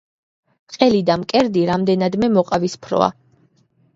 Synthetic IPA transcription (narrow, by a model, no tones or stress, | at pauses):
qʼɛlid̪amkʼɛɾd̪iɾamd̪ɛnad̪mɛmɔqʼavispʰɾɔ̰a̰